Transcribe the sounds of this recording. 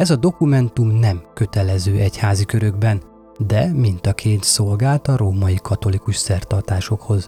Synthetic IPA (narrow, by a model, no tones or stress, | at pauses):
ɛzɒd̪o̞kumɛnt̪umnɛmkø̞t̪ɛlɛzøːʔɛchaːzikø̞ɾø̞ɡbɛn | d̪ɛmint̪ɒkʰeːnt̪so̞lɡaːlt̪ɒɾoːmɒikʰɒt̪o̞likuʃsɛrt̪ɒrt̪aːʃo̞kho̞z